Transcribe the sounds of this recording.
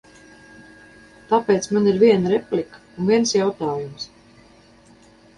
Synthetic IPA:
t̪apeːt̪smaniɾviɛnaɾɛplʲik | unviɛnsjawt̪aːjums

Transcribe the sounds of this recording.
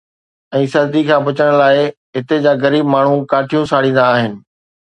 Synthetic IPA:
ɛ̃ːsɐɾd̪ikʰãːbɐt͡ɕəɽ̃laːɪ | ɦɪt̪ed͡ʑaːɣɐɾiːbmaːɳ̤ũkaːʈʰijũsaːɽĩːnd̪aːɦɪnɪ̆

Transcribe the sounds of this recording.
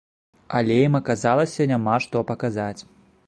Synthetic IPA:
alʲɛjimɐkazalˠɐsʲɐnʲamaʂt̪ɔpɐkazat͡sʲ

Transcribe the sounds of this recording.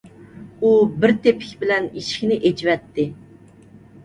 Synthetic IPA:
ubɪɾt̪ʰepʰɪ̥kʲbɪlɛniʃi̥kʲnɪʔed͡ʒvɛt̪ʰːɪ

